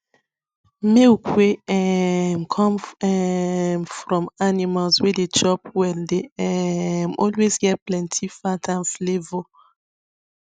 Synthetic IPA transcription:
mewkʰweɛmkʰɔ̃mɛmfɹɔ̃manimalswɛded͡ʒɔpwɛ̃ndeɛmɔlwezɡɛt̚plɛ̃ntʰifatʰãnflevo

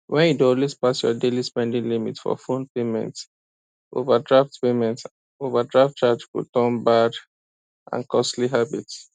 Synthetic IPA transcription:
wʔɛ̃nidɔlwespasjɔ̰delispɛ̃ndĩŋlimitfɔ̰fõnpemɛ̰̃nt | ʔovadɹaftpemɛ̃nt | ovadɹaft̚t͡ʃad͡ʒkṵtɔ̃mbad | ʔã̰nkɔstliɦabits

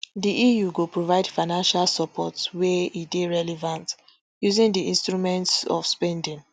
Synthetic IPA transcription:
diʔijuɡopɹovaɪdfaɪnãnʃalsɔpʰɔtswɛideɹɛlɛvãnt | juzĩndiĩnstɹumɛ̃ntsɔ̰fspɛ̃ndĩŋ

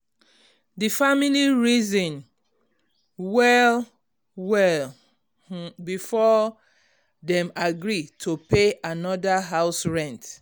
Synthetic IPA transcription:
difamiliɹizɔ̃n | wɛl | wɛl | bifɔ | dɛ̃maɡɹitʰopeanɔdaɦaʊsɹɛ̃nt

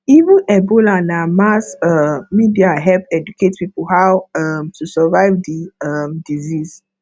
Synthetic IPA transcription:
ivə̃nɛbolanamasamidiaɦɛlpɛd͡ʒukʰetpipoɦawamtusɛvaɪvdiamdizis

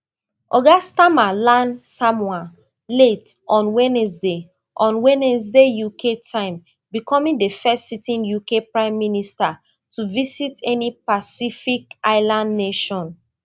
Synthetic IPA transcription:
ɔɡastãmalãnsãmwa | letɔ̃nwɛnɛsde | ʔɔ̃nwɛ̃nɛs̬dejukʰetʰãɪ̃m | bikɔmĩŋdəfɛstsitĩnjukepɹãɪ̃mːinista | tʰuvisitɛnipasifikaɪlãndːeʃɔ̃n

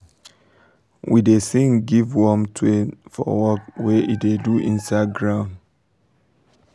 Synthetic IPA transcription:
wʔidesĩŋɡivwɔmtʰuefɔ̰wɔkwɛʔideduʔĩnsaɡɹãʊ̃nd

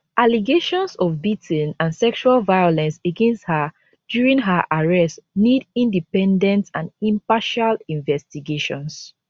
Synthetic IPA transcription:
ʔaliɡeʃɔ̃nsɔvbitʰnãnsɛkʃualvaɪɔlɛ̃nseɡɛ̃nsthə | d̥juɹĩŋɦəʔaɹɛstnidĩndipɛ̃ndɛ̃ntãnĩmpaʃalĩɱvɛstiɡeʃɔ̃ns

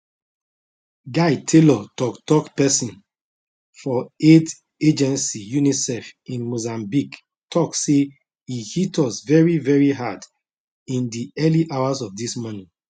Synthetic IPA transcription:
ɡaɪtʰelɔtɔktɔkpɛsɔ̃n | fɔet | ed͡ʒɛ̃nsijunisɛfĩnmozãmbik | tʰɔkse | ihitʰɔsvɛɹivɛɹiɦad | ĩndiɛliʔawazɔfdismɔnĩ

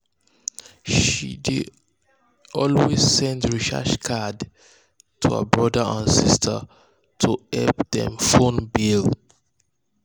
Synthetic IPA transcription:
ʃidi | ɔlwez̥sɛ̃ntɹiʃa̰ʃkʰad | tʰuhə̰bɹʌdəãnsistʰə̰ | tʰuɛlpðɛ̰̃mfõnbil

